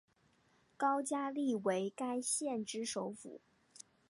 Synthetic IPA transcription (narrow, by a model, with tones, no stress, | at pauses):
kɑ˥ʊt͡ɕja˥li˥˩we˧˥ɪka˥ɪɕjɛ˥˩nʈ͡ʂɻ̩˥ʂo˧˥ʊfṵ˨˩˦